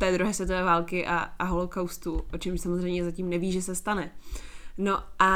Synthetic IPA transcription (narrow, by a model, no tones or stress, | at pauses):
t̪ɛːd̪ɾuɦɛːsvjɛt̪ovɛːvaːlkɪʔa̰aɦolokawst̪uʔot͡ʃɛmʃsamozr̝ɛjmɲɛzacimnɛviːʒɛsɛst̪anɛ | no̞ʔa